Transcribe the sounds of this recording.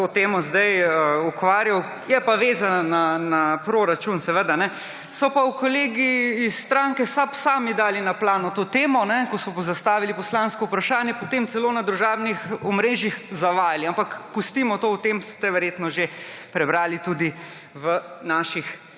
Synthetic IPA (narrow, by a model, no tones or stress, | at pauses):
t̪ot̪eːmɔzd̪ajəukʋaːɾjaw | jɛpaʋeːzannanapɾoɾat͡ʃunsɛʋəd̪anɛ | sɔpawkoleːɡiːsːt̪ɾaŋkɛsapsaːmid̪aːlinaplaːnut̪oːt̪eːmɔnɛkɔsɔzast̪aːʋilipɔslaːnskɔupɾaʃaːnjɛpɔt̪emt̪sɛloːnad̪ɾuʒaːbnixɔmɾeːʒjixzaʋaːjaliampakpust̪imɔt̪owt̪emst̪ɛʋɛɾjeːt̪nɔʒepɾɛbɾaːlit̪ud̪i | ʋənaːʃix